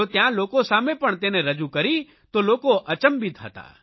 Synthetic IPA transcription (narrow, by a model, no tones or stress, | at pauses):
ot̪jãlokosamẽpəɳt̪eneɾəd͡ʒukəɾi | t̪oloːkoʔət͡ʃəmbit̪ɦə̰t̪a̰